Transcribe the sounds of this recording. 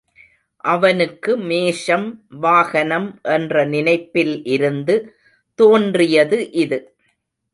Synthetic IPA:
ʔɐʋɐnɯkːɯmeːʂɐmʋaːɣɐnɐmʔɛndrɐnɪnɐɪpːɪlʔɪɾɯnd̪ɯ | t̪oːndrɪjɐðɯʔɪðɯ

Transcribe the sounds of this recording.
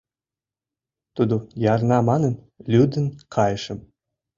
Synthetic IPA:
t̪ud̪ujɑrnɑmɑnə̆n | lʲyd̪ə̆nkʰɑjəʃə̆m

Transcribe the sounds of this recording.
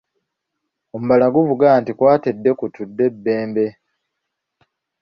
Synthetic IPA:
o̞muβalaɡuvuɡaːntikwaːte̞dːe̞kutudːe̞bːe̞ːmbe̞

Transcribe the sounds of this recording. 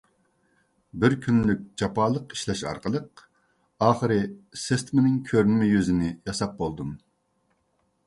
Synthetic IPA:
bɪɾkʲʰynlyk̚ʲd͡ʒɑpɑːlˠəqi̥ʃlɛʃɑ̰ɾqəlˠəq̚ | ɑːχəɾɨsest̪mɪnɪŋkʲʰøɾnɪmɛjyzɪnɪjɑsɑp̚bolˠd̪um

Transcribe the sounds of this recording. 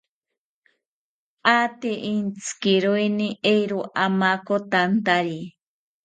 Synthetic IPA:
at̪iʔint͡skiɾoiniʔejɾoʔamakot̪ant̪aɾi

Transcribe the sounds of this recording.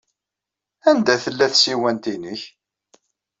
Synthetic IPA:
ænd̪æθəlːæθsiwænt̪inəç

